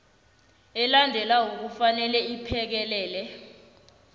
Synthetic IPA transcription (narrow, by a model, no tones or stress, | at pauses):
ɛlandʱɛlaok̬ufanɛlɛipʰɛk̬ɛlɛːlɛ